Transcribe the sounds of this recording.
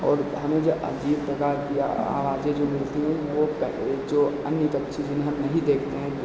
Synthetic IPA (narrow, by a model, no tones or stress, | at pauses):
ɔːɾɦɐmẽd͡ʒoʔɐ̰d͡ʒiːbpɾɐkaːɾkḭa̰ːʋaːd͡ʒed͡ʒoːmɪlt̪iɦɛ̃ʋopɛled͡ʒoːɐnjət̪ɐkt͡ʃʰid͡ʒɪneɦɐmnɐɦĩd̪eːkʰt̪eɦɛ̃